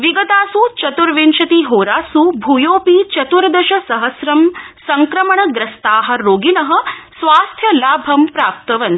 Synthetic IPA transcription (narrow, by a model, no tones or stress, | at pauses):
ʋiɡɐt̪aːsut͡ʃɐt̪uɾʋenʃɐt̪iɦoːɾaːsubʱujoːpiːt͡ʃɐt̪uɾd̪ɐʃɐsɐɦɐsɾɐmsɐŋkɾɐmɐɳɐɡɾɐst̪aːɦɐ̆ɾoːɡinɐɦɐ̆sʋaːst̪ʰjɐlaːbʱɐmpɾaːp̚t̪ɐʋɐn